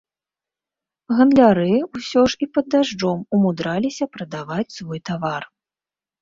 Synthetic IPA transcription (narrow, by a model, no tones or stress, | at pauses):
ɣɐnd̪lʲaɾɨusʲɔʐipɐd̪ːaʐd͡ʐɔmumud̪ɾalʲisʲɐpɾɐd̪avat͡sʲsvɔjt̪avar